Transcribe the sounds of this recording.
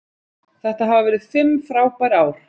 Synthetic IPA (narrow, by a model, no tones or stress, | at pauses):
θɛht̪aɦaːvavɛːɾɪðfɪmfɾaːwpaɾaːwɾ̥